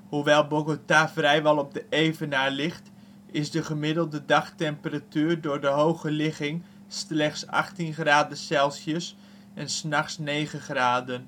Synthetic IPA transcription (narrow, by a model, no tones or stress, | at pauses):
huʋɛlˠboɡotavrɛjʋɑlˠɔb̚dəejvənaɹlɪχt | ɪsdəχəmɪdəlˠdədɑxtɛmpəratyːrdʊːɹdəɦowχəlɪχɪŋ | stlɛχtsɑ̰χtinχraːdəsɛlˠsjəs | ɛnsnɑχsnejχəχraːdən